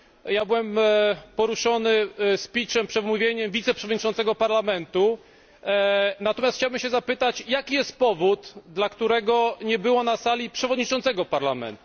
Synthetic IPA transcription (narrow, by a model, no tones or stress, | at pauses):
jabɘwɛmpɔɾuʂɔnɘspʲit͡ʂɛmpʂɛd̪muvʲjeɲɛmvʲit̪sɛpʂɛvɔd̪ɲit͡ʂɔnt̪sɛɡɔpaɾlamɛnt̪u | nat̪ɔmʲjasxt͡ɕawbɘmɕɛzapɘt̪at͡ɕjakʲijɛst̪̚pɔvud̪d̪lakt̪uɾɛɡɔɲɛbɘwɔnasalʲipʂɛvɔd̪ɲit͡ʂɔnt̪sɛɡɔpaɾlamɛ̰nt̪